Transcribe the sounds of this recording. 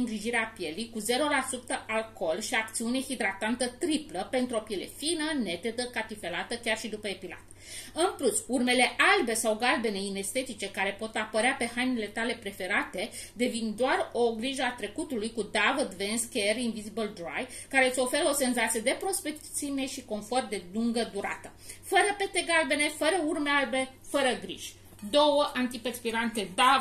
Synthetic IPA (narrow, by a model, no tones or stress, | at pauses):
ŋɡɾiʒiɾeapje̞lijkuze̞ɾo̞lasut̪əʔalko̞lʃiak̚t̪siune̞hid̪ɾat̪ant̪ət̪ɾipləpe̞nt̪ɾuo̞pje̞le̞̰finəne̞t̪e̞d̪əkat̪ife̞lat̪əkʲarʃid̪upəe̞pila̰t̪ | ɨnplusurme̞le̞ʔalbe̞sawɡalbe̞ne̞ine̞st̪e̞t̪it͡ʃe̞kaɾe̞po̞t̪apəɾeape̞hajnile̞t̪ale̞pɾe̞fe̞ɾat̪e̞ | d̪e̞vind̪oaro̞ɡɾiʒəat̪ɾe̞kut̪ulujkud̪avəd̪venskʲerinvizibəld̪ɾa̰jkaɾe̞ɨt̪sʲo̞fe̞ɾəo̞se̞nzat̪sije̞d̪e̞pɾo̞spek̪sime̞ʃiko̞nfo̞rd̪e̞luŋɡəd̪uɾa̰t̪ə | fəɾəpe̞t̪e̞ɡalbe̞ne̞fəɾəurmealbe̞fəɾəɡɾḭʒ̥ʲ | d̪o̞wəʔant̪ipespiɾant̪e̞d̪a